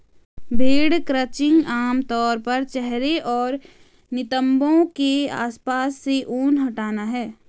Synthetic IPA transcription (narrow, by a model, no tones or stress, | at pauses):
bʱeːɽkɾət͡ʃɪ̃ŋɡaːmt̪ɔːɾpɐɾt͡ʃɛɦɾeʔɔːɾ | nɪt̪ə̃mbõkea̰ːspaːsːeʔuːnɦɐʈaːnaɦɛː